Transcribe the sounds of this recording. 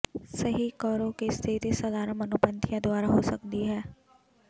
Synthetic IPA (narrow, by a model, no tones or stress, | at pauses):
səɦiːkɔːɾõːkist̪ʰit̪isəlaːɾəmənʊpənt̪ʰijãːd̪ʊaːɾaːɦoːsəkd̪iːɦɛː